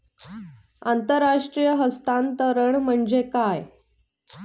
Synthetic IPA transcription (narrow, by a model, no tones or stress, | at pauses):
ant̪əɾːaʂʈɾijəɦəst̪ant̪əɾəɳm̤əɳd͡ʑekaj